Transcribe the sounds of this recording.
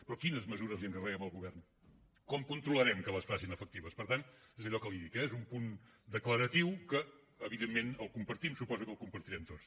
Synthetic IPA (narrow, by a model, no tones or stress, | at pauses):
pɾɔkinəzməzuɾəzlˠiəŋkərɛəməlˠɣuβ̞ɛrn | kɔmkunt̪ɾuləɾɛmkələsfasinəfək̚t̪iβəspəɾt̪anezəʎɔkəliðikɛezumpun | d̪əkləɾət̪iwkəː | βiðemːenəlˠkumpəɾt̪imsupɔzukəlˠkumpəɾt̪iɾɛmt̪ot͡s